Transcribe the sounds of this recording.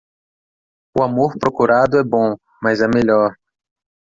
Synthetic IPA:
ʊamoɾpɾokuɾad̪ʊɛbõ | mɐzɛmeʎɔɾ

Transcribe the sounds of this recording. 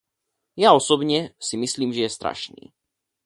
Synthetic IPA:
jaɔsɔbɲɛsimisliːmʒɛjɛst̪ɾa̰ʃnḭː

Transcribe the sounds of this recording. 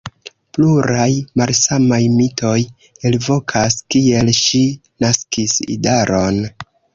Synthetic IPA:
pluɾajmalsamajmito̞j | elvo̞kʰaskie̞lʃi | naskisḭdaɾo̞n

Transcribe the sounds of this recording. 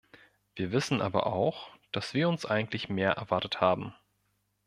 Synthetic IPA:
v̥iːɐvɪsn̩ʔa̰ːbɐ̰ʔa̰ʊxd̥asv̥iːɐʊnsʔa̰ɪɡŋ̩tlɪçmeːɐʔɛ̰ɐvaɐtəthaːbm̩

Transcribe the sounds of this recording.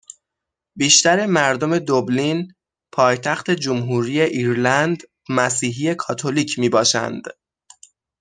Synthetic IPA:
biːʃt̪æɾe̞mæɾd̪o̞me̞d̪oblin | pʰɒːjt̪ʰæxt̪e̞d͡ʒomɦuːɾiːje̞ʔiːɾlænd̪ | mæsiːɦiːje̞kʰɒːt̪ʰoliːcʰmiːbɒːʃæ̰nd̪̥

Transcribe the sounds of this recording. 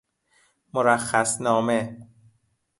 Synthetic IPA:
moɾæxːæsnɒːme

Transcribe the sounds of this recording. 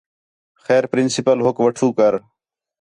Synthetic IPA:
xɛːɾpɾɪnsɪpəlɦʊkʋəʈʰuːkəɾ

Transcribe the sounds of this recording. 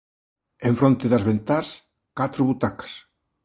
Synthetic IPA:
ẽɱfɾont̪ɪðɐzβent̪as | kat̪ɾʊβut̪akɐ̥s

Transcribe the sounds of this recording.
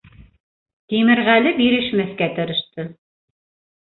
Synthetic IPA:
t̪imɘ̆ɾʁælɘbiɾɘ̆ʃmɘθkæt̪ɤ̆ɾɤ̆ʃt̪ɤ

